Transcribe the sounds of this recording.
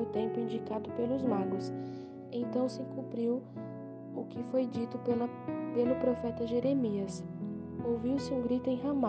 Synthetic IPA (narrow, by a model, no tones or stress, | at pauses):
ʊt̪ẽmpʊĩnd͡ʒikad̪ʊpelʊzmaɡʊs | ẽt̪ɐ̃w̃sɪkũpɾiw | ʊkɪfojd͡ʒit̪ʊlɐ | pelʊpɾofɛt̪ɐʒeɾemiɐs | owviwsɪũɡɾit̪ʊẽj̃ɦɐ̃ma